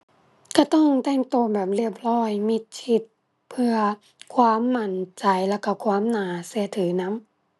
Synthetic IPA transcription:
ka˧˩t̪ɔ˥˩˨ŋta˧˩˨ŋt̪oː˧bɛː˨˩p̚li˧˩əp̚lɔː˧˩jmi˧˩t̪̚sʰi˧˩t̪̚ | pʰɯ˧ɐ | kʰwaː˧˥˨mːa˧˥nt͡ɕa˨˩jla˧˩ka˧˩kʰwaː˧˥˨mnaː˨˦sɛ˧˩˦t̪ʰɯː˨˦na˧˥m

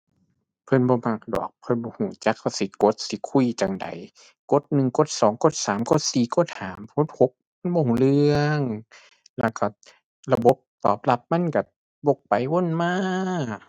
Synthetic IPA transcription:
pʰɤ˧˥nbɔː˧˦ma˧˩k̚dɔ̰ː˨˩k̚pʰɤ˧˨nbɔː˧huː˨˩˦t͡ɕa˧˥k̚ha˧˩wsi˨˦ko˧˦t̪̚si˧˦kʰu˧˨jt͡ɕa˨˩ŋda̰˨˦j | ko˧˥t̪̚nɯ˨˩ŋko˧˥t̪̚sɔː˨˦ŋko˧˥˦t̪̚saː˨˦mko˧˥˩t̪̚siː˨˩ko˧˥t̪̚haː˨˦mkʰo˧˥t̪̚ho˧˦k̚ma˧˥˨nbɔː˧hu˧lɯ˧əəŋ | lɛ˧˩ka˧˩ | la˧bo˧˦p̚t̪ɔː˨˩p̚la˧˦p̚ma˧˥˨nka˧˩ | bo˧˩k̚pa˨jwo˧˥˨nmaː˧˥˩

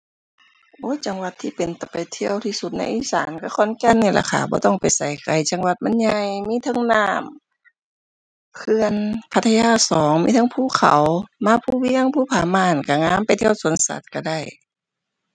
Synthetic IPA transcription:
ʔʔoː˧˥˦t͡ɕa˨˩ŋwa˧t̪ʰːiː˧˩pe˨nt̪ɔ˧˩pa˨jt̪ʰi˧əwt̪ʰiː˧˩su˧t̪̚na̰˧jʔiː˧˥˨saː˨˦nka˧˩kʰɔː˧˥˨nkɛ˧˨nːɯ˧˩la̰˧˩kʰa̰ː˨˩bɔ̰ː˧˦t̪ɔ˧˩ŋpa˨jsa˨˩jka˨˩jt͡ɕa˨˧˦ŋwa˧t̪̚ma˧˥nɲa˧jmiː˧˥˨t̪ʰɤ˧˨ŋnaː˧˩m | kʰɯ˧ənpʰa˧t̪ʰːa˧jaː˧˥˩sɔː˨˦ŋmiː˧˥t̪ʰa˧˥˨ŋpʰuː˧˩˨kʰa̰˨˦wmaː˧˨pʰuː˧˨wiː˧˥˧a˧˨ŋpʰuː˧˩˨pʰaː˧˩maː˧˩˨nka˧˩ŋaː˧˥˨mpa˨jt̪ʰi˧ə˨wsu˨˦ənsa̰˧˦t̪̚ka˧˩da˧˩j

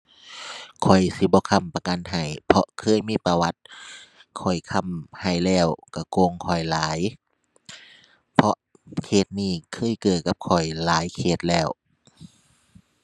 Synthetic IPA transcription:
kʰɔ˨˩jsi˧˦bɔː˧˦kʰa˧˨mpa˧ka˧˨nɦa˨˩jpʰɔ˧ʔkʰɤː˧˥˨jmiː˧˥˨pa˧wa˧˦t̪̚kʰɔ˨˩jkʰa˧˩˨mha˨˩jlɛː˧˩wka˧˩koː˧˨ŋkʰɔ˨˩jlaː˨˦j | pʰɔ˧ʔ | kʰeː˧˩t̪̚niː˧˩kʰɤː˧˥˨jkɤː˨˩t̪̚kːa˧˦p̚kʰɔ˨˩jlaː˨˦jkʰeː˧˩t̪̚lɛː˧˩w

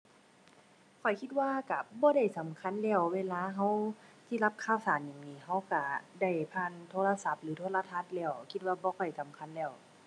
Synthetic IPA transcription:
kʰɔ˨˩jkʰi˧t̪̚waː˧ka˧˩bɔː˧˦ɾa˥˩jsa˨˦mkʰa˧˥˨nlɛː˧˩wweː˧˨laː˧˨ɦa˧˥˩wt̪ʰi˧˨la˧p̚kʰaː˧˨wsaː˨˦nja˨˩ŋniː˧˩ɦa˧˥wka˧˩da˧˩jpʰaː˧˨nt̪ʰoː˧˨la˧sa˧˦p̚lɯː˨˦t̪ʰo˧˥la˧t̪ʰa˧˥˩t̪̚lɛː˧˩wkʰi˧t̪̚waː˧bɔː˧kʰɔ˨˩jsa˨˦mkʰa˧˥˨nlɛː˧˩w

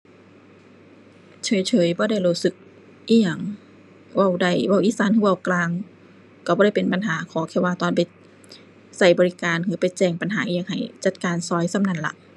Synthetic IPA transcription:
t͡ɕʰɤː˨˦jt͡ɕʰɤː˨˦jbɔː˧˦da˧˩˨jluː˧˩sɯ˧˦k̚ | ʔiː˧˩ja˧˩ŋ | wa˧˩˨wda˧˩jwa˧˩˨wʔiː˧˨saː˨˦nt̪ʰɯː˧˨wa˧˩wklaː˧ŋ | ka˧˩bɔː˧˦ɾa˥˩jpe˨npa˨nɦaː˨˩˦kʰɔː˨˦kʰɛː˧˩waː˧˩t̪ɔː˧˨npa˨j | sa˧˩jbɔː˧ɾi˧kaː˨nkʰɯː˧˦pa˨jt͡ɕɛː˧˩ŋpa˨nɦaː˨˦ʔiː˧jaː˧˨ŋha̰˨˩jt͡ɕa˧˦t̪̚kaː˨nsɔː˧˦jsa˧˨mna˧˥˨nla̰˧ʔ

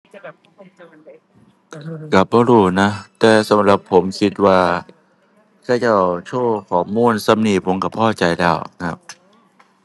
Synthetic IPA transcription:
ka˨˩p̚bɔː˧ɾuː˧˩na˦˥t̪ɛː˨˩sa˨˦˥mɾa˨˩pʰːo˩˦msi˨˦t̪̚waː˧ | kʰaː˧˩t͡ɕa˧˩wt͡ɕʰoː˧˩kʰɔː˨˩˦muː˧˥˨nsa˧˨mniː˧˩pʰo˨˦mka˨˧˩pʰɔː˧˥˩t͡ɕa˧jlɛː˧˥˩wkʰa˦˥p̚

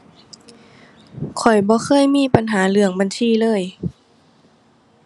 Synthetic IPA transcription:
kʰɔ˨˩jbɔː˧˦xʰɤː˧˥˨jmiː˥˨pa˧nɦaː˨˩˦lɯ˧˩˦əŋba˨nsiː˧˩˨lɤː˧˥˨j

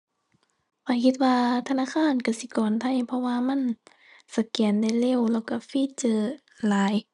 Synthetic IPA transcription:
fa˧˩kʰi˧t̪̚waː˧t̪ʰa˧naː˧˥˨kʰaː˧˥˨nka˧˩si˧˦kɔː˨˩nt̪ʰa˧˩˨jpʰɔ˧waː˧ma˧˥˨n | sa˧˩kɛː˨˩˦nda˧˩jle˧˥˨wlɛː˧˩wka˧˩fiː˧˥˨t͡ɕɤː˧˩ | laː˨˦j

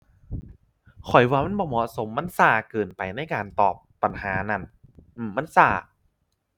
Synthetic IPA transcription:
kʰɔ˨˩jwaː˧ma˥˨nbɔː˧˩mɔ˧so˨˦mːa˧˥˨nsaː˧˩kɤː˨˩npa˧jna˥˩jkaː˧nt̪ɔː˨˩pːa˧nhaː˩˦na˧˩nʔɯ˧˩mːa˦˥˨nsaː˧˩

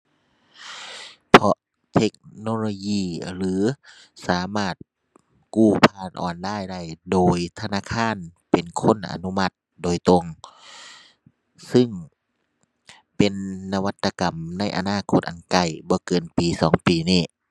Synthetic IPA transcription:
pʰɔ˧ʔ | t̪ʰe˧k̚noː˧loː˧jiː˧˩lɯː˨˦ | saː˨˦maː˧˩t̪̚ | kuː˧˩pʰaː˧˩˨nʔɔ̰ː˨ndaː˥˩˨jda˧˩jdoː˨jt̪ʰa˧naː˧˥˨kʰaː˧˥˨npe˨˩nkʰo˧˥˨nʔa̰˨˧nu˧˨ma˧˩t̪̚ | doː˨jt̪o˧ŋ | sɯ˧˥˩ŋ | pe˨nːa˧wa˧t̪ːa˧ka˨mna˧˥˨jʔa̰˧naː˧˥˨kʰo˧˥t̪̚ʔa˨˩nka˧˩jbɔː˧˦kɤː˨npiː˨sɔː˨˦ŋpiː˨niː˧˩

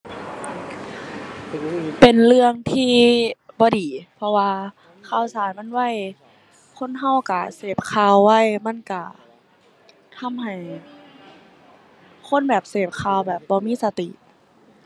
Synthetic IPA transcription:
pe˨˩nlɯ˧əŋt̪ʰiː˧˩bɔː˧˦diː˨˩pʰɔ˧waː˧ | kʰaː˧˩wsaː˨˦jma˧˥˨nwa˧˥˨j | kʰo˧˥˨nɦa˧˩wka˧˩seː˨˩p̚kʰaː˧˩˨wːa˧˥˩jma˧˥˨nka˧˩ | t̪ʰa˧˥˨mha˨˩j | kʰo˧˥˨nbɛː˨˩p̚seː˨˩p̚kʰaː˧˩wbɛː˨˩p̚bɔː˧˦miː˧˥˨sa˧t̪ḭ˨˩ʔ

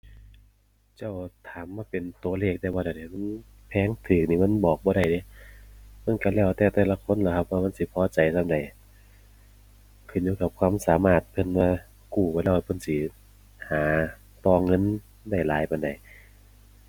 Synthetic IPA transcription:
t͡ɕa˧˩wt̪ʰaː˨˦mːaː˧˨pe˨nt̪u˨ɐ˦leː˧˩k̚t̪ɛː˧bɔː˧ɾa˧˩jda˨˩ma˧˥˨n | pʰɛː˧˥ŋt̪ʰɯː˨˩k̚niː˧˨ma˧˥˨nbɔː˨˩k̚bɔː˧ɾa˧˩jde˧˦ | ma˧˥˨nka˧˩lɛː˧˩wt̪ɛː˧˩wt̪ɛː˧˩la˧kʰo˧˥˨nla˧kʰa˧p̚waː˧ma˧˥˨nsi˧˦pʰɔː˧˨t͡ɕa˨˩jt̪ʰa˧˨mda˨j | kʰɯ˧˩˨nɲuː˧˩ka˧˩p̚kʰwaː˧˥˨msaː˨˦maː˧˩t̪̚pʰɤ˧˥˨nmaː˧ | kuː˧˩bɔː˧˦laː˧˩wpʰɤ˧˥˨nsi˧˦ | haː˨˦ | t̪ɔː˧ŋɤ˧˥˨n | da˧˩jlaː˨˦jpa˨˩nda˨˩j

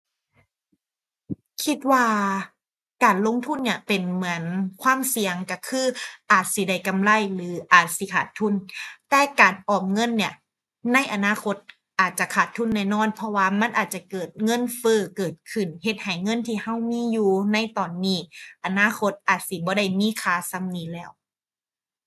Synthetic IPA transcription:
kʰi˧˥t̪̚waː˧ | kaː˨˩nlo˧˥˨ŋt̪ʰu˧˥˨nːi˧˩ɐpe˨˩nmɯ˩˦ənkʰwaː˥˨msi˨˧əŋka˧˩kʰɯː˧˥˩ʔaː˨˩t̪̚si˧˦da˧˩jka˧˨mla˧˥˨jlɯː˨˦ʔaː˨˩t̪̚si˧˦kʰaː˨˩t̪ʰːu˧˥˩nt̪ɛː˧kaː˨˩nʔɔː˨˩p̚ŋɤ˧˥˨nːi˧˩ɐ | na˧˥˨jʔa˨naː˧˥˨kʰo˧˥t̪̚ | ʔaː˨˩t̪̚t͡ɕa˧˩kʰaː˨˩t̪ʰːu˧˥˨nːɛː˧˩˨nɔː˧˥˨npʰɔ˧waː˧ma˧˥˨nʔaː˨˩t̪̚t͡ɕa˧kɤː˨˩t̪̚ŋɤ˧˥˨nfɤː˧˩kɤː˨˩t̪̚kʰɯ˧˩nhe˧˩t̪̚ha˨˩jŋɤ˧˥˨nt̪ʰiː˧˩ha˧˥˩wmiː˧˥˨juː˧na˧˥˨jt̪ɔː˨˩nːiː˧˩ʔa˨naː˧˥˨kʰo˧˦˥t̪̚ʔaː˨˩t̪̚si˧˦bɔː˧˦da˧˩jmiː˧˥˨kʰaː˧˩sa˧˥˨mniː˧˥lɛː˧˥˩w

